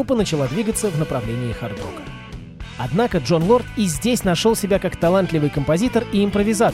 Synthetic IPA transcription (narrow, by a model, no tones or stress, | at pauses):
upːənət͡ɕɪlˠad̪vʲiɡət̪səvnəpɾɐvlʲenʲɪːxɐrd̪o̰kə | ɐd̪nakəʐo̞nlˠo̞rt̪ɪzʲdʲesʲnɐʂo̞lˠsʲɪbʲakakt̪ɐlˠant̪lʲɪvɨjkəmpɐzʲit̪əriɪmpɾəvʲɪza